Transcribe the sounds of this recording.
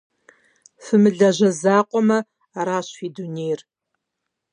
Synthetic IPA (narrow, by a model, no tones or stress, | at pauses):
fɨmɨɮɐʑɐzaːqʷʼɔmɐ | aɾaːɕiːdunejr